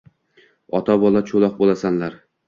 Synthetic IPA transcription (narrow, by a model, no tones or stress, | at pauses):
ɒt̪ʰabɒlˠat͡ʃʰolˠɒq̚bolˠasanlaɾ